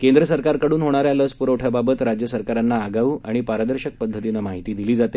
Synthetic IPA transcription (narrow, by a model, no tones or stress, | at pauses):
kend̪ɾəsəɾkaɾkəɽuːnɦoɽ̃aɾjaləspuɾəʈʰjəbabət̪ɾad͡ʑjəsəɾkaɾanːaːɡaʋuːʔaɽ̃ipaɾəd̪əɾɕək̚pəd̪ʱːət̪inamaɦit̪iːd̪iliːd͡zat̪e